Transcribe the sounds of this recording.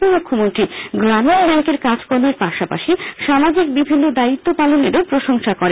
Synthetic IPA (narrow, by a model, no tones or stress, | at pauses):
omukʰːomont̪ɾiɡɾamenbɛŋkeɾkad͡ʑkoɾmeɾpaʃapa̰ʃiʃamad͡ʑik̚bibʱinːod̪ait̪ːopaloneɾopɾoʃoŋʃakɔɾe